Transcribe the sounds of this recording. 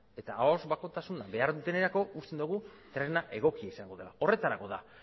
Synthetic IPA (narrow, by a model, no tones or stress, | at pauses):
e̞t̪aːozbako̞t̪asunabe̞aɾðut̪e̞neɾako̞ust̪e̞nd̪uɣ̞ut̪ɾe̞naʔe̞ɣ̞o̞kiaisaŋɡo̞ð̞e̞lao̞re̞t̪aɾako̞ða